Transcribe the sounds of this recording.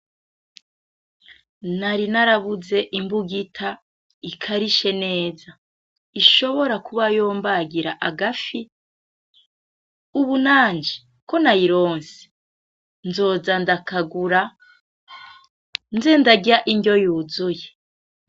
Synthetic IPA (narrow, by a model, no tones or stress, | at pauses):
naɾinaɾaβuze̞ʔimbuɡitʰa | ikʰaɾiʃe̞ne̞ːza | iʃo̞βo̞ɾakuβajoːmbaɡiɾaʔaɡafi | uβunaːnd͡ʒe̥ | ko̞najiɾo̞ːnse̥ | nzo̞ːzandakaɡuɾa | nzendaɡiɾaʔiɲɟo̞juːzuje